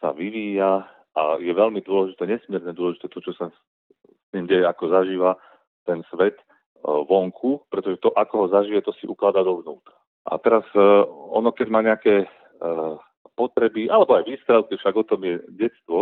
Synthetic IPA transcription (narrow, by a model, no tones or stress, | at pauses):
sa̰ʋiʋiːja | ʔa̰jɛʋɛlmid̪ʊɔlɛʒit̪ɛːɲɛsmɪɛɾɲɛd̪ʊɔlɛʒit̪ɛt̪ɔt͡ʃɔsa | st̪iːmɟɛjɛakɔzaʒiːʋa | t̪ɛnsʋɛt̪ | ʋɔŋkʰupɾɛt̪ɔʒɛt̪ɔʔakɔɦɔzaʒijɛt̪ɔsiʔuklad̪ad̪ɔʋnuːt̪ɾa | ʔa̰t̪ɛɾazɔ̰nɔkɛɟmaːɲɛakɛː | pɔt̪ɾɛbiʔalɛbɔajʋiːsk̪ɾɛʊk̪ifʃaɡɔt̪ɔmjɛɟɛtst̪ʋɔ